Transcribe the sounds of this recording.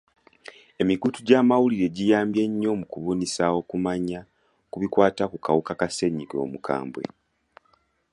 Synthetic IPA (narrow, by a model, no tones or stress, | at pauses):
e̞miɡutuɟaːmawuliɾe̞ɟijaːmbje̞ɲːo̞mukuβunisawo̞kumaɲa | kuβikwaːtakukʰawukakase̞ɲiɡo̞̰ːmukʰa̰ːmbwe̞̰